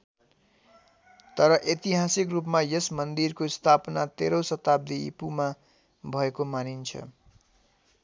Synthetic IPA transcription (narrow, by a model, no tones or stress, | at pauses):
t̪ʌɾʌʔet̪iɦasikrupmajesmʌnd̪irkost̪ʰapnat̪eɾosʌt̪ab̚d̪iḭpuma | bʱʌekomanint͡sʰʌ̰